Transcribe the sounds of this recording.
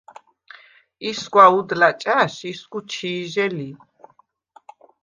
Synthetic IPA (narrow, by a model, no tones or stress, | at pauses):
isɡwaud̪lat͡ʃʼaʃisɡut͡ʃʰiːʒɛli